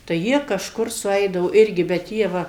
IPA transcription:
tɐɪ ˈjiɛ kɐʃˈkʊr sʊˈɛɪdɐʋoː ˈɪrʲɡʲɪ bʲɛt ˈjiɛ ˈʋɐ

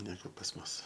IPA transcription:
nʲɛˈɡʊ pɐs ˈmʊs

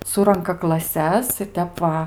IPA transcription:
ˈsʊrɐŋkɐ klˠɐˈsʲɛs ɪr ˈtʲɛp ʋɐ

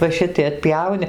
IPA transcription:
ʋɐ ˈʃʲɪtɐɪ ɐtʲˈpʲjɛʊnʲɪ

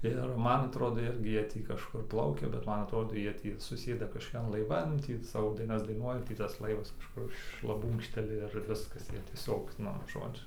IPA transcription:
ɪr ˈmɐn ɐtˈroːdoː ˈɪrʲɡʲɪ ˈjiɛ ˈtʲiː kɐʃˈkʊr ˈplˠɐʊkʲɛ bʲɛt ˈmɐn ɐtˈroːdoː ˈjiɛ tʲiː sʊˈsʲeːdɐ kɐʃkoːˈkʲɛn lˠɐɪˈʋɐn ˈtʲiː ˈsɑːʋoː ˈdɐɪnɐs dɐɪˈnuɔjɛ ˈtʲiː tɐs ˈlˠɐɪʋɐs kɐʃˈkʊr ʃlˠɐˈbuːŋkʃʲtʲɛlʲɪ ɪr ˈʋʲɪskɐs ˈjiɛ tʲiɛˈsʲoːk ˈnʊ ˈʒoːd͡ʒʲʊ

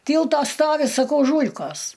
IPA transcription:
ˈtʲiːlˠtoː ˈstoːʋʲɪ sɐˈkɐʊ ˈʒuːlʲkoːs

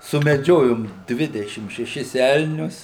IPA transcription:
sʊmʲɛˈd͡ʒʲoːjoːm ˈdʲʋʲɪdʲɛʃʲɪm ʃʲɛˈʃʲɪs ˈɛlʲnʲʊs

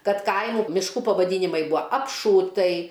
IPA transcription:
ˈkɐt ˈkɐɪmʊ mʲɪʃˈkuː pɐʋɐˈdʲiːnʲɪmɐɪ ˈbʊɐ ɐpˈʃuːtɐɪ

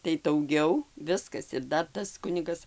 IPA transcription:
tɐɪ dɐʊˈɡʲɛʊ ˈʋʲɪskɐs ɪr ˈdɐr ˈtɐs ˈkʊnʲɪɡɐs

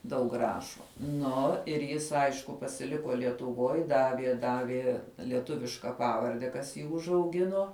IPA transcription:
dɐʊk ˈrɑːʃoː ˈnʊ ɪr ˈjɪs ˈɐɪʃkʊ pɐsʲɪˈlʲɪkoː lʲiɛtʊˈʋoːj ˈdɑːʋʲiɛ ˈdɑːʋʲiɛ lʲiɛˈtʊʋʲɪʃkɐ ˈpɑːʋɐrʲdʲɛ kɐs ˈjiː ʊʒɐʊˈɡʲɪnoː

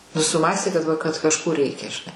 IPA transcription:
nʊ sʊˈmɑːsʲtʲeː kɐt ʋɐ kɐt kɐʃˈkoː ˈrʲɛɪkʲɛ ʒʲɪˈnɐɪ

